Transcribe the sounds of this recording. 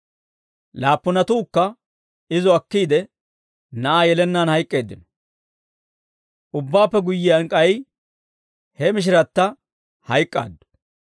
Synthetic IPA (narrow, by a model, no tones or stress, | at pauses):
laːpːʊnɐt̪uːkːɐ | ɪzɔɐkːiːd̪ɛ | nɐʔaːjɛlɛnːaːnhɐjkʼːe̞ːd̪ːɪnɔ̥ | ʔʊbːaːpːɛɡʊjːɪjɐŋkʼɐj | hɛmɪʃ̬ɪɾɐt̪ːɐ | hɐjkʼːa̰ːd̪ːʊ̥